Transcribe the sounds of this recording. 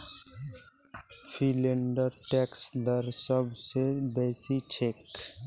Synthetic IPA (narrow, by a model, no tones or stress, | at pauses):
pʰileɳɖəɾʈɛksd̪ʌɾsʌbʱsebesit͡ʃʰek